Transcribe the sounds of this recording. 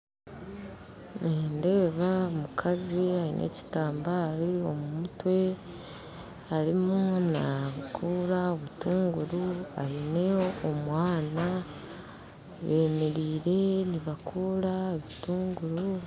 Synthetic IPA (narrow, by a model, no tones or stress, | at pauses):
neːnde̞ːβaomukʰaziainʔe̞̰ːci̥taːmbaːɾio̞mumutwe̞ | aɾimunakʰuːɾaoβutuːŋɡuɾua̰hineomwaːna | βe̞ːmeɾiːɾe̞niβakʰuːɾaeβituːŋɡuɾu